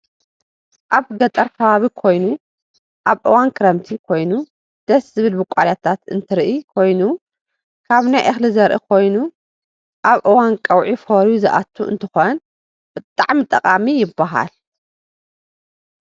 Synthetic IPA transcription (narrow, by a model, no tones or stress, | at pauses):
ʔaβɡɐt̪ʼɐɾkʰɐβaβikʰo̞jnu | ʔaβʔɨwankʰɨɾɐmt̪ʰikʰo̞jnu | d̪̥ɐszɨβɨlbɨkʷʼaljat̪ʰat̪ɨ̰nt̪ʰɨɾʔikʰo̞jnu | kʰaβnajʔɐxlɨzɐɾʔɨ̰kʰo̞jnu | ʔaβʔɨwankʼɐwʕifoɾjuzɨʔa̰t̪ʰːuɨ̰nt̪ʰɨxon | b̥ɨt̪ʼːaʕmɨt̪ʼːɐqʼamijɪbːaɦa̰l